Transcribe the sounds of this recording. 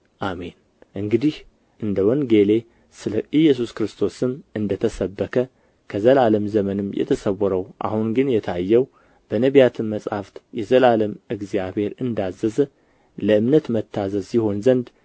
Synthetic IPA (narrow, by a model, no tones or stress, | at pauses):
ʔame̞n | ʔɨŋɡɨd̪ih | ʔɨnd̪əwɔnɡe̞le | sɨləʔɨjːɛs̬uskɨɾɨst̪ʰo̞sɨmʔɨnd̪ət̪ʰəsəbːəkʰə | kʰəzəlaləmzəmənɨmjɛ̰t̪ʰəsəwɔɾəwʔa̰hunɡɨnjɛt̪ʰajːɛw | b̥ənəβjat̪ʰɨnmːəsʼhaft̪jɛzəlaləmɨɡzijaβhe̞ɾɨnd̪azːəzə | ləɨmnət̪mət̪ʰːazəzsiho̞nzənd̪